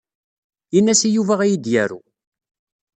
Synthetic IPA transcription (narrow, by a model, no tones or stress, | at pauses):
inːæsijuvæʁæjid̪jæɾṵ